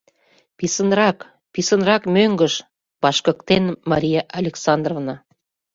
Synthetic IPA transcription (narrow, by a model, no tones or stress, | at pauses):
pisənrɑk | pisənrɑkmøŋɡəʃ | bɑʃkə̆kt̪enmɑɾʲijɑʔɑlʲeksɑnd̪rovnɑ